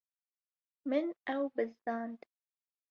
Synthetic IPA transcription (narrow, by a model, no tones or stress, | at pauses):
mɪnawbɨzːɑːnd̪